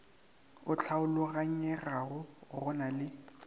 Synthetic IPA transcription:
ʊt͡ɬʰaʊlʊɣaɲ̩ɛraɣʊɣʊnalɪ

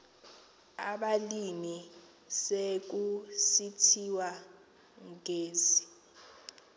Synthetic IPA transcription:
a̰ɓalimi | sek̬usitʰiwa | ŋɡʱeːzi

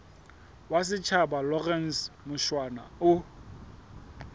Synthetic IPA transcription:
wasɪt͡ʃʰabalɔrɛn̩smʊʃwana̰ʊ

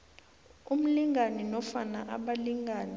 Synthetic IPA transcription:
um̩liŋanɛnɔfana̰ʔa̰ɓaliŋɡʱaːnɛ

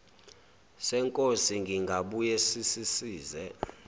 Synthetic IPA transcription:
sɛŋkʼosiŋɡʱiŋɡʱaɓujesisisiːzɛ

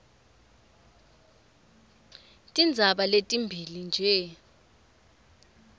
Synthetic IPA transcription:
tʼind͡zʱaɓaletʼimbʱilind͡ʒʱɛ

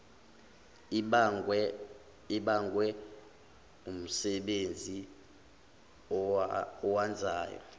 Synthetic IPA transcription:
iɓaŋɡwɛ | um̩sɛɓend͡zʱi | ɔwand͡zʱaːjɔ̰

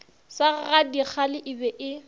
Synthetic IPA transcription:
saɣadik͡xʰalɪʔɪbɛʔɪ

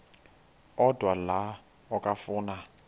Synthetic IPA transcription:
ɔdwala | ɔkʼafʊːna

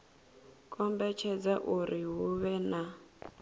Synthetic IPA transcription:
kʼɔmbɛt͡ʃʰɛd͡zaʔuɾiɦuβɛna

